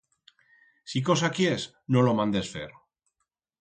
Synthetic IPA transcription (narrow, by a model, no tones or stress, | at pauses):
siko̞s̬akies | nolo̞mãnd̪e̞sfḛɾ